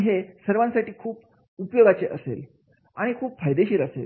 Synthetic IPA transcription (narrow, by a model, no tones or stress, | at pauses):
ɦesəɾʋãnsaʈiːkʰuːp | upjoɡat͡ɕeʔəsḛl | aɽ̃ikʰuːpfajd̪eɕiːɾəsḛl